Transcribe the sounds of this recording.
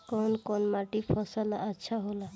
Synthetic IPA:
kɔnkɔnmaʈipʰɔsalaətːʃʰaɦola

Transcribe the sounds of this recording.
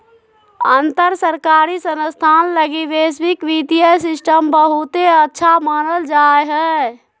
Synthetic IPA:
ənt̪əɾsəɾkaːɾisənəst̪ʰaːnləɡiʋesʋikʋit̪ijəjsɪsʈəmbəɦut̪eətːʃʰamaːnəld͡ʒaːeɦɛː

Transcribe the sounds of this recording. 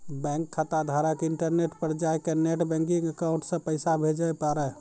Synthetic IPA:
bɛ̃ŋkʰːat̪ad̪ʱaɾakeɪɳʈəɾneʈpəɾd͡ʒajkeneʈbɛ̃ŋkiŋəkaʊ̃ɳʈsə̃pəɪsabʱed͡ʒəpaɾɛ

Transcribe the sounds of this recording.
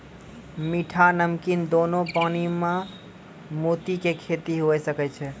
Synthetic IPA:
miʈʰanəmkind̪onopanimã | mot̪ikekʰet̪iɦoɛsəkɛt͡ʃʰɛ

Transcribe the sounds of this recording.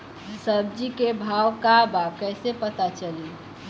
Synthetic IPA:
səbd͡ʒikebʱawkabap̚kəɪsepət̪at͡ʃəli

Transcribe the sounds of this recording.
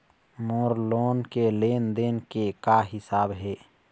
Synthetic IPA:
moːɾloːnkeleːnd̪eːnkekaɦɪsaːbɦeː

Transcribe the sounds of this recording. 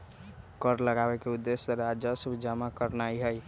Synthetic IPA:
kəɾləɡabɛkeud̪ːesəɾad͡ʒəsəbʱd͡ʒamakəɾnaiɦəj

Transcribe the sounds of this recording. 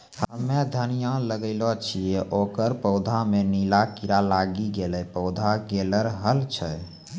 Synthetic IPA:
həmed̪ʱənijãləɡəɪlɔt͡ʃʰijɛʔokəɾpəʊd̪ʱamenilakiɾalaɡiɡelɛpəʊd̪ʱaɡeləɾɦəlt͡ʃʰə

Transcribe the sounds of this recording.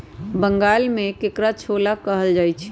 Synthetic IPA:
bəŋɡaːlmẽkekɾat͡ʃʰolakəɦəld͡ʒajt͡ʃʰ

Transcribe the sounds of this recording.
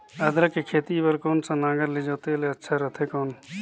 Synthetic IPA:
əd̪ɾəkekʰeːt̪ipəɾkoːnsãnãːɡəɾlid͡ʒoːt̪eleɐtːʃʰaɾət̪ʰeːkoːn

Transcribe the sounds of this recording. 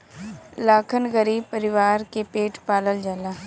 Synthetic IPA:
laːkʰənɡəɾiːb̚pəɾɪʋaːɾkepeːʈʰpaːləld͡ʒalaː

